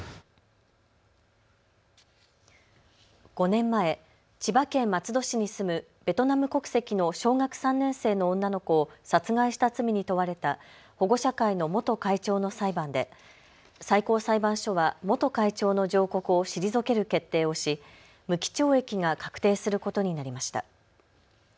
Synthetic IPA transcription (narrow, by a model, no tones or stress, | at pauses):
ɡ̥o̞nẽ̞mːae̞ | t͡ɕibakẽ̞mːat͡sɨd̪o̞ɕiɲ̟isɨmɯ̟ | b̥e̞t̪o̞namɯ̟ko̞kɯ̥se̞kʲino̞ɕo̞ːŋakɯ̥sãnːẽ̞ɰ̃se̞ːnõ̞ːnːano̞ko̞ːsat͡sɨɡaiɕi̥t̪at͡sɨmʲiɲ̟it̪o̞βaɾe̞t̪a | ho̞ɡo̞ɕakaino̞mo̞t̪o̞kait͡ɕo̞ːno̞saibãnd̪e̞ | saiko̞ːsaibãɰ̃ɕo̞βamo̞t̪o̞kait͡ɕo̞ːno̞ʑo̞ːko̞kɯ̟o̞ɕiɾʲizo̞ke̞ɾɯ̟ke̞t̪ːe̞ːo̞ɕi | mɯ̟kʲi̥t͡ɕo̞ːe̞kʲiŋakḁkɯ̟̥t̪e̞ːsɨɾɯ̟ko̞t̪o̞ɲ̟inaɾʲimaɕi̥t̪a̰